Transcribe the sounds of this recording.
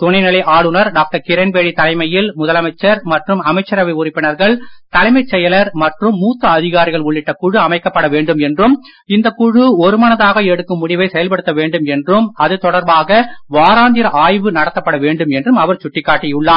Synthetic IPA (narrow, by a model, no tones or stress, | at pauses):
t̪ʊɳɐɪnɪlɐɪʔaːɭɯnɐɾɖaːk̚ʈɐɾkɪɾɐnpeːɽit̪ɐlɐɪmɐjɪlmʊðɐlɐmɐɪt͡ʃːɐɾmɐʈrɯmɐmɐɪt͡ʃːɐɾɐʋɐɪʊɾɪpːɪɳɐɾɣɐɭt̪ɐlɐɪmɐɪt͡ʃːɛjɐlɐɾmɐʈrɯmːuːt̪ːɐːðɪɣaːɾɪɣɐɭʊɭːɪʈːɐkʊɻɯɐmɐɪkːɐpːɐɽɐʋeːɳɖɯmɛndrɯm | ɪnd̪ɐkʊɻɯɔɾɯmɐnɐðaːɣɐɛɽɯkːɯmːʊɽɪʋɐɪsɛjɐlpɐɽɯt̪ːɐʋeːɳɖɯmɛndrɯmɐðɯt̪ɔɽɐɾbaːɣɐʋaːɾaːnd̪ɪɾɐʔaːjʋɯnɐɽɐt̪ːɐpːɐɽɐʋeːɳɖɯmɛndrɯmɐʋɐɾt͡ʃʊʈːɪkːaːʈːɪjʊɭːaː